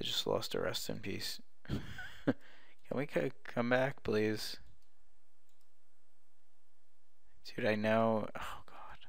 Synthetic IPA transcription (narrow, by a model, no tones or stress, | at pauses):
ɨɪd͡ʒʌstˡlɔ̰stə̰ɹʔɛ̰stɨ̰̃npʰḭs | kʰɨ̃nwikʰʌkʰʌ̃mbæk̚pʰl̥iz̥ | dʰɨɾaɪnoʊ | oʊɡ̥ɑd̥